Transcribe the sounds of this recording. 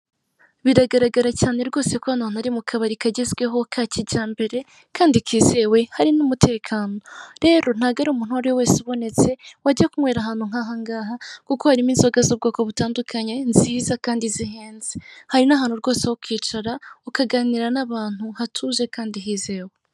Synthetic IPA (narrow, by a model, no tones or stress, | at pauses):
βiɾaɡaɾaɡaɾacaːne̞ɾɡo̞ːse̞koanon̥aɾimukʰaβaɾikaɟezɡwe̞ɦo̞kʰaciɟaːmbe̞ɾe̞ | kaːndikiːze̞we̞haɾinumutʰe̞ːkʰaːno̞ɾe̞ːɾo̞n̥haɡaɾumuːn̥huaɾojowe̞ːsuβo̞ne̞t͡se̞waɟakumweɾaɦaːn̥huŋ̥aːɦaŋɡaːɦakuko̞haɾimiːnzo̞ɡazob̚ɡoːkoβutaːndukʰaɲe̞nziːzakaːndiziɦeːnzihaɾinaɦaːn̥huɾɡo̞ːsehokiːt͡ʃaɾaukaɡaːniɾanaβaːn̥huhatʰuʒe̞kaːndiɦiːze̞ːwe